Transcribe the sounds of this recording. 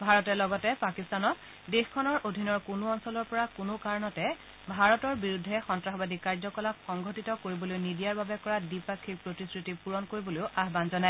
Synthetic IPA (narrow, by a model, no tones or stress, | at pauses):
bʱaɹɔtɛlɔɡɔtɛpakistanɔt | dexkʰːɔnɔɹʔodʱinɔɹkʊnʊɔnsɔlɔɹpɔɹakʊnʊkaɹɔnɔtɛ | bʱaɹɔtɔɹbiɹudʱːɛxɔntɹaxbadikaɹzɔkɔlakxɔŋɡʱotitɔkoɹibɔlojnidijaɹbabɛkɔɹadipakʰːik̚pɹotiskɹitipuɹɔnkoɹiboloʊʔaɦbanzɔnaɛ